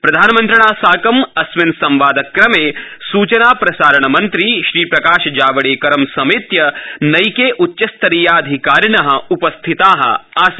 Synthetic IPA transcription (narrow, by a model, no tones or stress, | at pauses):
pɾɐd̪ʱaːnɐmɐnt̪ɾɐɳaːsaːkɐmɐsʋensɐ̃mʋaːd̪ɐkɾɐmeːsuːt͡ʃɐnaːpɾɐsaːɾɐɳɐmɐnt̪ɾiʃɾiːpɾɐkaːʃɐd͡ʒaːʋɐɽeːkɐɾɐmsɐmeːt̪jɐnɐjkeːʔutːʃɐst̪ɐɾijaːɐd̪ʱikaːɾɳɐɦɐ̆upɐst̪ʰit̪aːɦɐ̰̆aːs